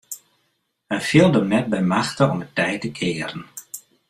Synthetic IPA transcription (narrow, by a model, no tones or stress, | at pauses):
ənfɪlˠdənɛt̚bɛjmaxtəɔmətɛjtəkʰɪəɾən